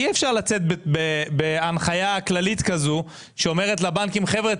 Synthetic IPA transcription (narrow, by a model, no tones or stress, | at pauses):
iefʃaʁlat͡set̪̚bebebeanχajaklalit̪kazu | ʃeo̞me̞ʁ̞et̪̬labaŋkimχe̞vʁe